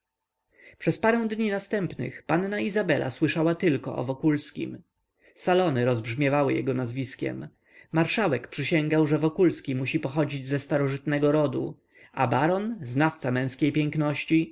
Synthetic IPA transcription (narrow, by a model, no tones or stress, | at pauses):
pʂɛspaɾɛw̃d̪ɲinast̪ɛmpnɘ̰xpanːaizabɛlʔa̰swɘʂawat̪ɘlkɔ̰ʔɔ̰vɔkulskʲḭm | salɔnɘɾɔzbʐmʲjɛvawɘjɛ̰ɡɔnazvʲiskʲɛ̰mː | aɾʂawɛkpʂɘɕɛŋɡawʐɛvɔkulskʲimuɕipɔxɔd͡ʑid͡ʑzɛst̪aɾɔʐɘt̪nɛɡɔɾɔd̪ṵ | a̰baɾɔnznaft̪samɛ̃w̃skʲejpʲjɛŋknɔɕt͡ɕi